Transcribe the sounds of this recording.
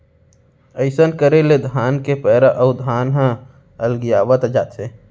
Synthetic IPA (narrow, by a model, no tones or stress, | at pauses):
əɪsənkəɾeled̪ʱaːnkepɛːɾaʔəʊd̪ʱaːnɦə̃ | əlɡijaːʋət̪d͡ʒa̰ːt̪se